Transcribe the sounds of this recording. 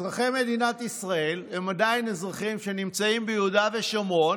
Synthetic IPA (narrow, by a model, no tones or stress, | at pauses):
ʁaχejme̞d̪inat̪isʁae̞lhe̞mad̪ainezʁaχimʃenimt͡saimbejeudaveʃomo̞n